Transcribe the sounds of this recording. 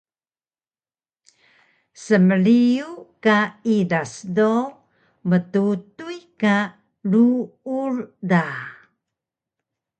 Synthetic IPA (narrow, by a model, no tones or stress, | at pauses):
səməliukaidasdo | mətutujka | luurda